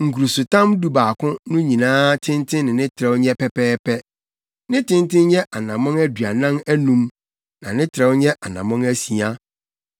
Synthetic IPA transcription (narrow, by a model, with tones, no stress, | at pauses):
ŋ̩˨ku˨ɾu˨su˨tã˦mdu˦baː˨kʰʊ̃˦nʊ̃˦ɲĩ˨nãː˦tʰɪ̃˦n˦tʰɪ̃˦nɪ̃˨nɪ̃˦tʰɪ˨ɾɛ˦wɲɛ˦pɛ˦pɛː˦pʰɛ˦ | nɪ̃˦tɪ̃˦ntɪ̃˦nɲɛ˦ʔa˨nã˨mɔ̃˦ŋæ˦dɥa˨nã˦mæ˦nũ˦m | nã˨nɪ̃˦tʰɾɛ˦wɲɛ̃˦ʔa˨nã˨mɔ̃˦ŋæ˦si˨a˦